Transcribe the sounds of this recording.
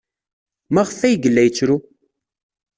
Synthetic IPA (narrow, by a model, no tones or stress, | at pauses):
mæʁəfæjɡəlːæjt͡sːɾu